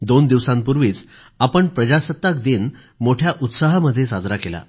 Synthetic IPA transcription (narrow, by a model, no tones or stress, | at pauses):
d̪ond̪iʋsãmpuɾʋiːt͡s | apəɳpɾəd͡ʑasət̪ːak̚d̪iːn | moʈʰjaʔut̪saɦməd̪ʱːjesad͡zɾakela̰